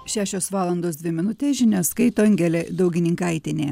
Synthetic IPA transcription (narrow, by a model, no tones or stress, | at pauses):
ʃʲæːʃʲoːsʋɑːlˠɐnd̪oːs̬d̪ʲʋʲɪmʲɪnʊt̪ʲeːsʒʲɪnʲɛskɐɪt̪oːŋʲɡʲɛlʲeːd̪ɒʊɡʲɪnʲɪŋkɐɪt̪ʲɪnʲeː